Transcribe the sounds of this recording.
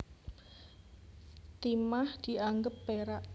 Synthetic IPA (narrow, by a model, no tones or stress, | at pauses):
t̪imahd̪̥i̤aŋɡəp̚ːeɾaʔ